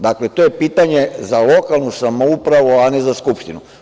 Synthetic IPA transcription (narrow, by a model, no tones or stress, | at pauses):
d̪akle̞t̪oje̞piːt̪aɲe̞zalo̞kalˠnusamoupɾaʋuanezaskupʃt̪inu